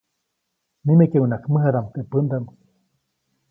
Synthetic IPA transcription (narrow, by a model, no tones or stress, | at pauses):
nimekewnakmɨɦad̪amt̪epɨnd̪am